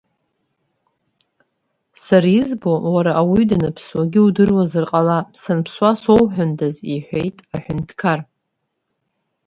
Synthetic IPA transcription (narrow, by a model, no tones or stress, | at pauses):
saɾizbo̞waɾaʔːwidanɨpʰswaɡʲɪudɨrwazɨrqʼalasanpʰswasowħʷᶣʊndʰaziħᶣʷejtʼaħʷᶣʊntʰkʰar